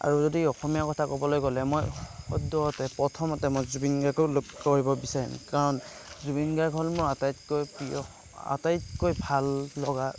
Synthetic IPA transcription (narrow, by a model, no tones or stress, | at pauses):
a̰ɹuzodiɔxɔmijakɔtʰakɔbɔlojkɔlɛmojxɔ̰dɔɔtɛpɹɔtʰɔmatɛmojzubinɡakɔlkkoɹibɔbisaɹḭmkaɹɔnzubinɡakʰɔlmɔatajtkojpiɔ̰ | a̰tajt̚kojbʱalːɔɡa